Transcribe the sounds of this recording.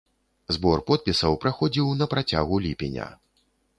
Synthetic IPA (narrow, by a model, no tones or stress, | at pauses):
zbɔrpɔt̪̚pʲisɐwpɾaxɔd͡zʲiwnɐpɾat͡sʲa̰ɣulʲipʲinʲɐ̰